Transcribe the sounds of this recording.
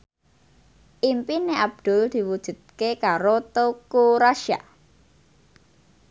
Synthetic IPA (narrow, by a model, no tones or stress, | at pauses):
ʔimpineʔab̚d̪̥ʊ̤ld̪̥i̤wud̥ʒ̥ṳt̪̚kekaɾot̪okuɾaʃa̰